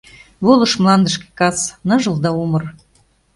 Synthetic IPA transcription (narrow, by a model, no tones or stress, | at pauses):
βolə̆ʃmlɑnd̪əʃke̥kɑsnɤʒəld̪ɑumɤ̆r